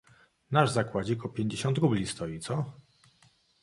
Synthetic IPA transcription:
naʐzakwad͡ʑikɔpʲjeɲd͡ʑeɕɔ̃nt̪ɾublʲist̪ɔjit̪sɔ

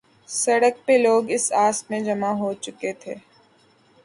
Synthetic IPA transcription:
sɐɽək̚peloːɡɪsaːsmẽd͡ʒɐmaɦot͡ʃʊket̪ʰeː

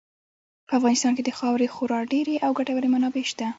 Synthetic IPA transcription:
pəafɣɑnɪst̪ɑnked̪əxɑwɾexoɾɑɖeɾeʔawɡaʈawəɾemanɑbeʃt̪a

